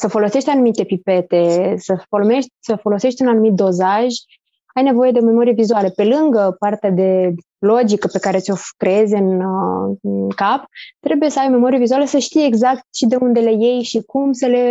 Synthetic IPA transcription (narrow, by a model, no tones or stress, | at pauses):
səfo̞lo̞se̞ʃt̪ʲanumit̪e̞pipe̞t̪e̞səfo̞lomeʃt̪ʲsəfo̞lo̞se̞ʃt̪ʲunanumit̪̚d̪o̞zaʒ | ajne̞vo̞je̞d̪eome̞mo̞ɾijevizuale̞pe̞lɨŋɡəpart̪ead̪e̞ | lo̞d͡ʒikəpe̞kaɾet̪sʲo̞kɾe̞e̞zʲɨn | kapt̪ɾe̞buje̞səajome̞mo̞ɾijevizualesəʃt̪ijeːɡzak̚t̪ʃid̪e̞und̪e̞leje̞jʃikumsəle̞